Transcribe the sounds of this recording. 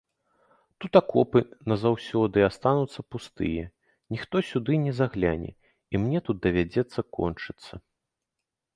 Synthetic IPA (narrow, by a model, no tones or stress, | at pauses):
t̪ut̪akɔpɨnɐzawsʲɔd̪ɨast̪anut̪sːɐpust̪ɨ̰jɛ | nʲixt̪ɔsʲud̪ɨnʲɛzaɣlʲa̰nʲɛ̰ | imnʲɛt̪ut̪̚d̪ɐvʲad͡zʲɛt̪sːɐkɔ̰nt͡ʂɨt̪sːɐ